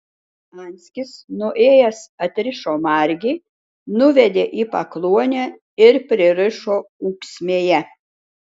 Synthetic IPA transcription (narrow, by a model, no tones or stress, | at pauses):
ɑːnʲsʲkʲɪsnʊʔeːjɛsɐt̪ʲɾʲɪʃoːmɑɾʲɡʲiː | nʊʋʲɛd̪ʲeːʔiːpɐklˠuɔnʲæ | ɪɾpʲɾʲɪɾɨʃoː | uːksʲmʲeːjɛ